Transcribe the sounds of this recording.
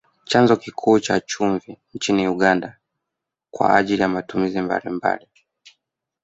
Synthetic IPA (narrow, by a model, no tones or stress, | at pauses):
t͡ʃanzɔkikʰuːt͡ʃat͡ʃuɱvint͡ʃiniuɠanda | kwa̰aʄilijamatumizimba̰limba̰li